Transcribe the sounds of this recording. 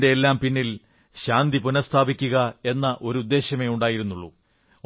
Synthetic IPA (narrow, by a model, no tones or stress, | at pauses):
de̞elːaːmpinːil | ɕaːnd̪ipunɐst̪ʰaːbikʲːuɣɐe̞nːɐʔo̞ɾuud̪ːe̞ːɕjɐme̞ːuɳɖaːjiɾunːuɭːu